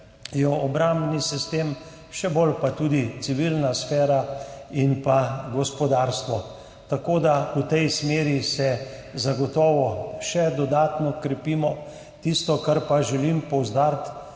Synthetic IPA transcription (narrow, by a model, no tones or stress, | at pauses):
jɔɔbɾambnisist̪em | ʃɛbolpat̪uːd̪isiʋilnasfɛːɾainpaɡɔspɔd̪aːɾst̪ʋɔ | t̪akoːd̪aut̪ɛjsmeːɾisɛ | zaɡɔt̪ɔːʋɔʃɛd̪ɔd̪aːt̪nɔkɾɛpiːmɔ | t̪ist̪ɔkaɾpaʒɛlimpɔwzd̪aːɾt̪